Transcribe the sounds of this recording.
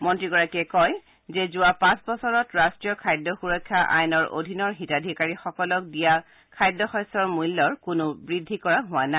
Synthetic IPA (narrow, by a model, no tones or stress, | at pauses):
mɔntɹiɡɔɹakiɛkɔj | zɛzʊwapãsbɔsɔɹɔtɹastɹijɔkʰajdɔxuɹɔkʰːaʔa̰jnɔɹʔo̰dʱinɔɹɦitadʱikaɹixɔkɔlɔk̚dija | kʰajdːɔxɔjsɔɹmujlːɔɹkʊnʊbɹidʱːikɔɹaɦʊwana